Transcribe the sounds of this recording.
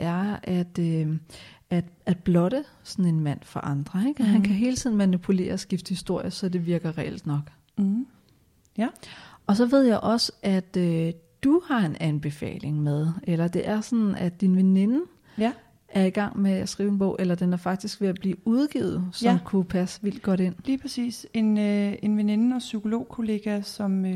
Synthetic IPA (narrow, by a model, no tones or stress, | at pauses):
ʔæɐæd̥ø | æ̥æd̥b̥lɒ̽ɾ̥ə | sɒn̩e̝nmæn̰fɒʔɑ̈nd̥ʁɐeɡ̥ɒɦænkʰæɦe̝ːlt͡sʰiðˠn̩mænipʰule̝̰ːɐsɡ̥ifd̥əhisd̥o̝ɐ̰jɐsɒ̽d̥e̝ʋiɐɡ̥ɐʁɛel̰d̥nɒ̽ɡ̥ | ɒ̽sɒ̽ʋe̝ð̞̰ˠjɑɪʔɒ̽səæd̥ød̥uhɑ̈e̝nænb̥e̝fɛ̰ːle̝ŋmeð̞ˠʔelɐd̥e̝ʔæɐsɒnn̩æd̥inʋene̝nə | ʔæɐiɡ̥ɑ̈ŋ̰meæsɡ̥ʁiːʊenb̥ɔ̽ʊ̰ʔelɐd̥enæɐfɑ̈ɡ̥̚d̥isɡ̥ʋe̝æb̥lḭːuð̞ˠɡ̥ḭʊð̞̩ˠsɒmkʰupʰæsə̥ʋil̰d̥̚ɡ̥ɒ̽ɾe̝n̰liːpʰɛsḭːse̝nenʋene̝nəɒsykʰo̝lo̝̰ːkʰo̝le̝ːɡ̥æsɒ̽m